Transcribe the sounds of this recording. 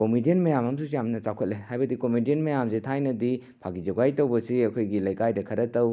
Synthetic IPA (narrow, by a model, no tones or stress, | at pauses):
komidienmɐjamɐmsusjamnɐt͡ʃakʰet̚lehajbɐdikomidienmɐjamzitʰajnɐdi | pʰaɡid͡ʒɐɡajtɐwbɐsiɐkʰojɡilɐjkajdɐkʰɐɾɐtɐw